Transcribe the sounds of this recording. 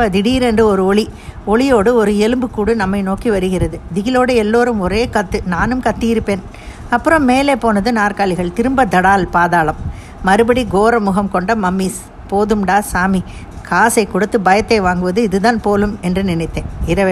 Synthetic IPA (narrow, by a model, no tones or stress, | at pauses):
ɐd̪ɪɽiːɾɛndrɯɔɾɯɔɭi | ɔɭɪjoːɽɯɔɾɯɛlɯmbɯkːuːɽɯnɐmːɐɪnoːkiʋɐɾɯɣɪɾɐðɯd̪ɪɣɪloːɽɯɛlːoːɾɯmɔɾeːkɐt̪ːɯnaːnɯmkɐt̪ːijɪɾɯpːeːn | ɐpːɯɾɐ̃mːeːleːpoːnɐðɯnaːrkaːlɪɣɐɭt̪ɪɾɯmbɐd̪ɐɽaːlpaːðaːlɐmː | ɐɾɯbɐɽiɡoːɾɐmʊɣɐmkɔɳɖɐmɐmːiːs | poːðɯmɖaːsaːmi | kʰaːsɐɪkːɔɽɯt̪ːɯbɐjɐt̪ːɐɪʋaːŋɡɯʋɐðɯɪðɯðaːnpoːlɯmɛndrɯnɪnɪt̪ːẽːɪɾɐʋ